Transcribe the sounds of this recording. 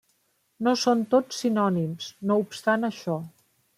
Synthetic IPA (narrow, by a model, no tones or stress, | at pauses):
nosont̪ot͡ssːinɔnimsnoupst̪anəʃɔ